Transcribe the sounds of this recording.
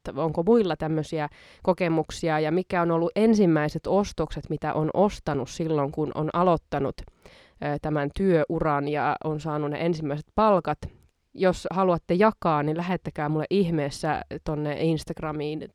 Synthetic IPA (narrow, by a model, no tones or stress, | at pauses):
oŋkomuilːɑt̪æmːøsiæ | kokemuksiɑjɑmikæonolːuʔensimːæiset̪ost̪okset̪mit̪æ̰ʔonʔost̪ɑnussilːoŋkunʔo̰nʔɑlot̪ːɑnut̪ː | t̪æmænt̪yøʔurɑnjɑ̰onsɑːnunnḛʔensimːæise̥t̪pɑlkɑt̪ | joshɑluɑt̪ːejɑkɑːnnilæhet̪ːækæːmulːeʔihmeːsːæ̰t̪onːḛinst̪ɑɡ̥rɑmiːn